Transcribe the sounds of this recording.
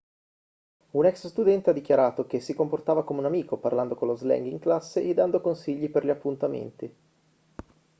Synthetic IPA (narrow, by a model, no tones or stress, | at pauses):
unɛksst̪ud̪ɛnt̪ead̪ːikjaɾaːt̪ok̟esːikomport̪aːvakomeunamiːkopa̰rland̪okonlozlɛ̰ŋɡiŋklasːeʔed̪ːand̪okonsiʎːiperʎiapːunt̪amḛnt̪i